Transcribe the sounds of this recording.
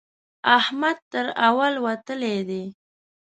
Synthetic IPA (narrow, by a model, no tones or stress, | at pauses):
ahmad̪̚t̪əɾawalwat̪əled̪e